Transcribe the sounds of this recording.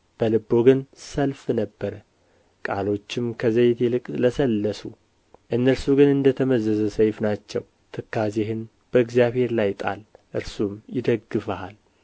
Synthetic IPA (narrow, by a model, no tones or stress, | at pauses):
b̥əlɨbːo̞ɡɨnsəlfnəbːəɾə | kʼalo̞t͡ʃːɪmkʰəzəjt̪ʰelɨkʼləsəlːəsu | ʔɨnːəɾsuɡɨnɨnd̪ət̪ʰəməzəzəsəjfnat͡ʃːɛw | t̪ʰɨkːazeɦɨn | b̥əɨɡzijaβhe̞ɾlajt̪ʼa̰lʔɨɾsumjɪd̪əɡːɨfahal